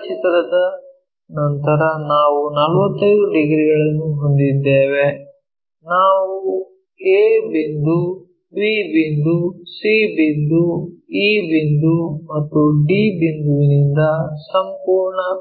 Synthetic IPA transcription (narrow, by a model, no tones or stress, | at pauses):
t͡ʃit̪ɾɐd̪ɐ | nɐnt̪ɐɾɐnaːʋunɐlʋɐt̪ːɐjɾuɖiɡɾiɡɐɭɐnːuɦond̪id̪ːeːʋe | naːʋu | eːbind̪u | biːbind̪usiːbind̪uiːbind̪umɐt̪ːuɖiːbind̪uʋinind̪ɐsɐmpuːɾɳɐ